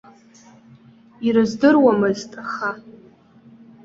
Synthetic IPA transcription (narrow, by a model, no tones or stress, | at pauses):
iɾɨzdɨrwamɨztʼaχa